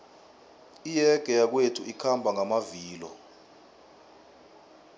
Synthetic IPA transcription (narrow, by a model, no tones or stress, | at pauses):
ijɛɡ̥ʱɛjak̬wetʰuikʰambʱaŋʱamaviːlɔ̰